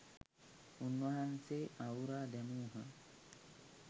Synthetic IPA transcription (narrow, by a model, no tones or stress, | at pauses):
unːwɐɦanseːʔauɾaːd̪ɛmuːɦɐ